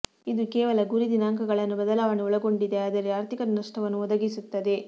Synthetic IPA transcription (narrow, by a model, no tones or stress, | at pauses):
id̪ukeːʋɐlɐɡuɾid̪inaːŋkɐɡɐɭɐnːubɐd̪ɐlaːʋɐɳiɔɭɐɡo̞ɳɖid̪e̞aːd̪ɐɾeaːɾt̪ʰikɐɾɐnɐʂʈɐʋɐnːuɔd̪ɐɡisut̪ːɐd̪e̞